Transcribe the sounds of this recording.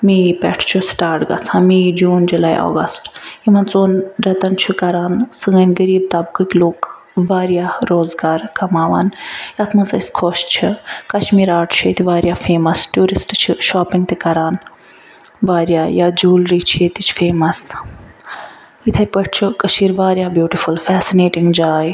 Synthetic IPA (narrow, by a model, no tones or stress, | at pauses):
mipɛ̰ʈʰt͡ʃʰusʈaːɾʈɡɐ̰t͡sʰãːmid͡ʒuːnd͡ʒulaːḭʔo̰ːɡɐ̰sʈimɐnt͡soːnɾɐt̪ɐnt͡ʃʰukɐɾaːnsɨŋɐnɡəɾiːb̚t̪ɐb̚kɨkʲloːk | ʋaːɾjaːɾoːzɡaːɾkɐmaːʋa̰ːnjɐt̪ʰmɐnt͡sɐ̰sʲkʰoʃt͡ʃʰikɐʃmiːɾaːʈʰt͡ʃʰeːt̪iʋaːɾjaːfeːmɐsʈjuːɾisʈt͡ʃʰiʃaːpiŋt̪ikɐɾaːn | ʋaːɾjaːjaːd͡ʒuːlɾit͡ʃʰjet̪it͡ʃʰfeːmɐs | it̪ʰɐjpɐʈʰt͡ʃʰukɐʃiːɾʋaːɾjaːbjuːʈifulfɛːsineːʈiŋɡd͡ʒaːj